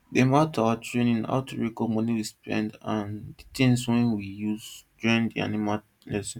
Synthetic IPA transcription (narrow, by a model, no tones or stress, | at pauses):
dematawatɹẽnĩna̰ʊtʰuɹɛkɔmɔniwispɛ̰̃ndãnditĩŋswɛ̃nwijuzd͡ʒɔ̃ĩndia̰nima | lɛsĩn